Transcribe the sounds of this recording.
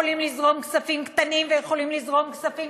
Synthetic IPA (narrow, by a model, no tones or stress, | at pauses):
olimlizʁo̞mksafimkt̪animvejeχo̞limlizʁo̞mksafi